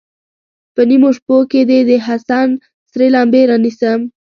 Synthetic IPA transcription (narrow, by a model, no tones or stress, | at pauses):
pənimoʂpoked̪ed̪əɦasɑn | sɾelɑmbeɾɑnisəm